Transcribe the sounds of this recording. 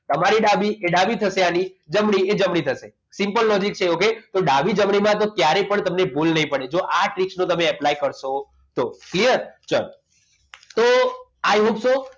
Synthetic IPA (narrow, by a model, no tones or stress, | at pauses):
t̪əmaɾiɖabieɖabit̪ʰəʃeanid͡ʒəmɽied͡ʒəmɽ̃it̪ʰəʃe | simpəlːɔd͡ʒik̚t͡ʃʰeoket̪oɖabid͡ʒəmɳimãt̪okjaɾepəɳt̪əmnebulnəɦĩpəɽ̃ed͡ʒoʔaʈɾiksnõt̪əmeɛplaikəɾʃo | t̪oklijəɾt͡ʃə̰l | t̪oajɦopso